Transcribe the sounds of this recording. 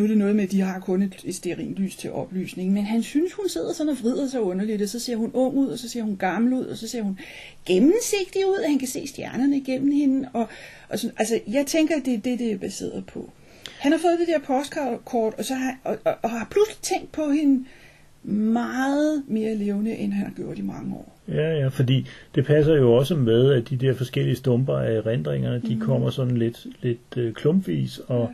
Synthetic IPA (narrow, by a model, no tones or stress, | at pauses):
nuɾe̝nɔ̽ːð̞̩ˠmed̥iɦɑ̈kʰɔ̽ne̝d̥e̝d̥sd̥eʁḭːnly̰ːst͡sʰe̝lʔɒ̽b̥ly̰ːsne̝ŋn̩menɦænsynshunse̝ð̰ˠɐsɒ̽nɒ̽ʋʁið̞̰ˠɐsɑ̈ɪɔ̽nɐlid̥ɒ̽sɒ̽se̝ɐ̰ɦunɔ̽ŋ̰uð̞̰ˠɒ̽sɒ̽se̝ɐhunɡ̥ɑ̈ml̩uð̰ˠɒ̽sɒ̽se̝ɐ̰hun | ɡ̥emn̩se̝ɡ̥̚d̥iuð̞̰ˠɒhænkʰæse̝̰ːsd̥jæɐnɐnəiɡ̥em̰m̩he̝nəɒ̽ | ʔsʔæls̬əjɑ̈ɪt͡sʰeŋɡ̥ɐæd̥e̝d̥e̝d̥e̝æb̥æse̝̰ːɐð̩ˠpʰɒ̽ | hænhɑ̈fɔ̽ːð̞̩ˠd̥e̝d̥eɐpʰɒ̽sɡ̥ɑkʰɒ̰ːd̥ɒ̽sɒ̽ɒʔhɑ̈pʰlusli̥t͡sʰeŋ̰ɡd̥̚pʰɒ̽he̝n | mɑːð̩ˠme̝ːɐleːʊnəʔenhænhɑ̈ɡ̥jo̝ɐ̰d̥imɑ̈ŋəɒ̰ː | jæjæfɒ̽d̥ḭːd̥e̝pʰæs̬ɐjo̝ɒ̽səmeðˠæd̥id̥ɛɐ̰fɒ̽sɡ̥el̰iəsd̥ɔ̽mb̥ɐæʁend̥ʁeŋ̰ɐd̥ikʰɒ̽m̰ɐsɒ̽d̥n̩led̥le̝d̥kʰlɔ̽mbʋḭːsɒ̽